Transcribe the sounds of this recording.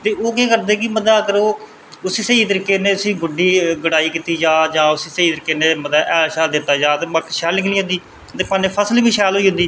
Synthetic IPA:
t̪eːoːkeːkəɾd̪eːkɪməd̪aːkəɾoː | ʊsiːseiːt̪əɾikːeːnẽːʊsĩːɡʊɖiːɡəɽaːiːkiːt̪iːd͡ʒaːd͡ʒãːʊsiːseiːt̪əɾɪkːeːneːməd̪aːʔɛːlʃɛːld̪ɪt̪ːaːd͡ʒaːt̪eːməkʃɛːlɪklĩːɦʊ̃nd̪iː | t̪eːpaːneːpʰəslːbiːʃɛːlɦoiːɦʊ̃nd̪iː

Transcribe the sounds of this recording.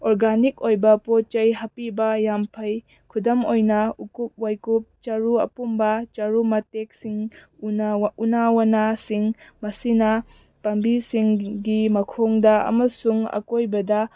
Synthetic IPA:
oɾɡanik̚ojbɐpot͡ʃɐjɦapibɐjampʰɐj | kʰudɐmojnɐukup̚wajkup̚t͡ʃaɾuɐ̰pumbɐt͡ʃaɾumɐtek̚siŋ | unawanasiŋmɐsinɐ | pambisiŋɡimɐkʰoŋdɐɐ̰mɐsuŋɐ̰kojbɐdɐ

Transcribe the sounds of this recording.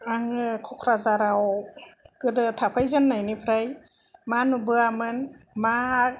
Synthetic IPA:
aŋɯkʰɔkʰɾazaɾaw | ɡ̥ɯdɯtʰapʰajzɯnːajnipʰɾaj | manubɯamɯnma

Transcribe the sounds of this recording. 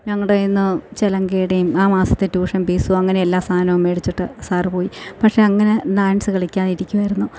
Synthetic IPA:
ɲɐŋːɐɭɽeinːɨt͡ɕelɐŋɡeːɽejumaːmaːsɐt̪ːetuːʂɐnpiːsuɐŋːɐne̞elːaːst̪ʰaːnɐʋumeɽit͡ɕːiʈːɨsaːrpo̞ːjipɐkʂe̞ɐŋːɐne̞laːjnsɨkɐɭikʲːaːniɾikʲːuʋɐjiɾunːu

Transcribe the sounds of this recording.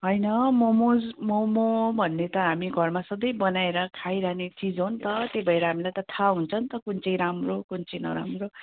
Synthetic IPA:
ɦʌjnʌmomod͡zmomobʱʌnːet̪ʌɦamiɡʱʌrmasʌd̪ʌjbʌnaeɾʌkʰajɾaɦnet͡sid͡zɦont̪ʌt̪ebʱʌeɾʌɦamilajt̪ʌt̪ʰaɦunt͡sʰʌnt̪ʌkunt͡sʌjɾamrokunt͡sʌjnʌ̰ɾamro

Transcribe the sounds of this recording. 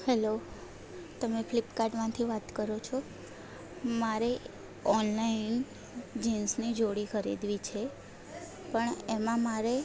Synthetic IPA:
hɛlo | t̪əmepʰlipkaɾɖmãt̪ʰiʋat̪kəɾot͡ʃʰo | maɾe | ɔnlain | d͡ʒinsnid͡ʒoɽikʰəɾḭd̪ʋit͡ʃʰe | pəɳemãmaɾe

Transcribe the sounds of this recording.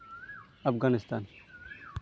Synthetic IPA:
ɐfɡaːnɪst̪aːn

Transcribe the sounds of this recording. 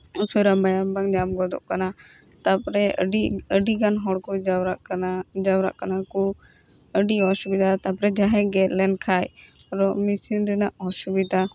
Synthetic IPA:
suɾamajambaŋd͡ʒamɡɔd̪ɔ̰ʔkana | t̪apɾɛəɖiɡanɦɔɽkɔ | d͡ʒawɾa̰ʔkanaku | əɖiɔʃubid̪at̪apɾɛd͡ʒaɦɛɡɛt̪lɛnkʰaj | ɾɔmisind̪ɛnaʔɔʃubid̪a

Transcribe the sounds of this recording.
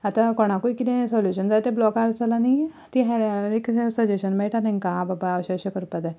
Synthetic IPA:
at̪ãkɔɽ̃ãkuikit̪ẽsɔljuɕənd͡zat̪ẽblɔkaɾt͡salani | t̪iɦɛɾeksəd͡ʑeɕənmɛʈanẽŋkãbabaaʋɕəɕəkəɾupad̪ɛ

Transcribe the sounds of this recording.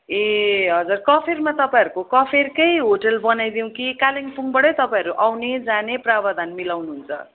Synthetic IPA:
eɦʌd͡zurkʌpʰermat̪ʌpãʌɾukokʌpʰerkejɦoʈʌlbʌnajd̪iw̃kikaliŋpʰuŋbʌɽʌjt̪ʌpaĩʌɾuʔawned͡zaneprabad̪ʱanmilawnuɦunt͡sʰʌ̰

